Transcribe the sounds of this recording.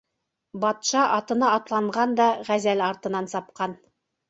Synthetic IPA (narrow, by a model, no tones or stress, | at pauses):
bɑt̪ʃɑʔɑt̪ɤ̆nɑːt̪lˠɑɴʁɑnd̪ɑʁæzælɑɾt̪ɤ̆nɑnsɑp̚qɑn